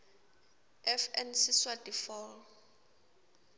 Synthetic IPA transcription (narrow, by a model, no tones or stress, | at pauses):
ɛfɛnsiswadifɔl